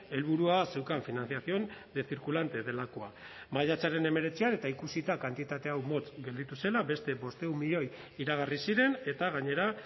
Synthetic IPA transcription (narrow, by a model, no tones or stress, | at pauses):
e̞lβuɾuase̞wkaɱfinanθiaθio̞nd̪e̞θiɾkulant̪e̞ðe̞lako̞a | maʎat͡saɾe̞ne̞me̞ɾe̞t͡siane̞t̪aikusit̪akant̪it̪at̪e̞awmo̞t͡sɡe̞ld̪it̪use̞labe̞st̪e̞bo̞st̪eumiʎo̞j | iɾaɣ̞arisiɾe̞ne̞t̪aɣaɲe̞ɾa